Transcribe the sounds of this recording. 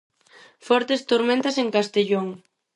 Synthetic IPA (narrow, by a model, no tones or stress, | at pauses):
fɔɾt̪est̪oɾmẽnt̪aseŋkast̪eʎoŋ